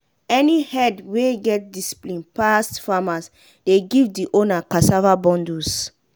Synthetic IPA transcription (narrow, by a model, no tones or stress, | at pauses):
ɛnihɛdweɡɛt̚disi̥plĩnpastfamas | deɡivdiʔonakasavabɔ̃ndus